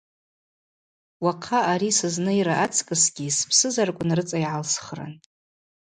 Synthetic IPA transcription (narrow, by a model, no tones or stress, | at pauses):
waqʰaaɾisɨznɨiɾaʔat͡sʼʰkʼɨsɡʲispʰsɨzarkʷʼʊnrɨt͡sʼaiʕalsχra̰n